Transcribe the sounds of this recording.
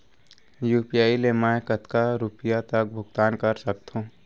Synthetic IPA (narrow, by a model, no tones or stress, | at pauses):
juːpijaːilemɛ̃kət̪kaɾuːpɪjat̪ək̚bʱʊɡt̪aːnkəɾsək̚t̪ɦũː